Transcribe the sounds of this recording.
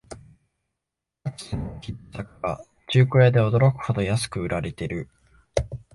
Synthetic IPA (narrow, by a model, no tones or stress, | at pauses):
ai̥sɨnokʲisakɯa̰ | t͡ɕɨːkɯ̟ɾed̪e̞o̞d̪o̞ɾo̞kɯ̟̥ho̞d̪o̞jasɨ̥kɯ̟ɯ̟ɾaɾe̞t̪e̞ɾɯ̟